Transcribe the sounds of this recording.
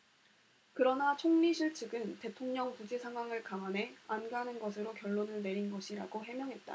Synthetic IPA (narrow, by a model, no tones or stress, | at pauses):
kɯɾʌnat͡ɕʰoŋɲiɕʰiɭt͡ɕʰɯɡɯnte̞tʰoŋɲʌŋpud͡ʑesʰaŋɦwaŋɯɭkaŋane̞anɡanɯnɡʌsʰɯɾokjʌɭːonɯɭne̞ɾinɡʌɕʰiɾa̰ɡoɦe̞mjʌŋɦe̞t̚t͈a̰